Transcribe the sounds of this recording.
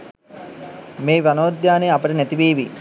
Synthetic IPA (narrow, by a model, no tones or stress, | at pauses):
meːʋanoːd̪jaːnejapəʈənæt̪iʋeːʋi